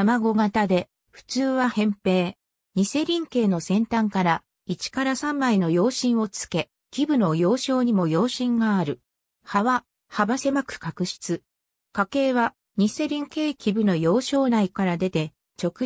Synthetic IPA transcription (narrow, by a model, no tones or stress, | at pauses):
amaɡo̞ɡat̪ad̪e̞ | ɸɯ̟̥t͡sɨːβahẽ̞mpe̞ː | ɲ̟ise̞ɾʲĩŋke̞ːno̞sẽ̞nt̪ãŋkaɾa | it͡ɕi̥kaɾasãmːaino̞jo̞ːɕĩɰ̃o̞t͡sɨ̥ke̞ | kʲibɯ̟no̞jo̞ːɕo̞ːɲ̟imo̞jo̞ːɕĩŋɡaːɾɯ̟ | haβa | habase̞makɯ̟̥kakɯ̟ɕi̥t͡sɨ | kake̞ːβa | ɲ̟ise̞ɾʲĩŋke̞ːkʲibɯ̟no̞jo̞ːɕo̞ːnaikaɾad̪e̞t̪e̞ | t͡ɕo̞kɯ̟